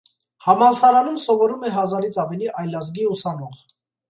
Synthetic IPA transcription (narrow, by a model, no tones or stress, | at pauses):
hɑmɑlsɑɾɑnumsɔvɔɾumɛɦɑzɑɾit͡sʰɑvɛliʔɑjlɑzɡiusɑnɔʁ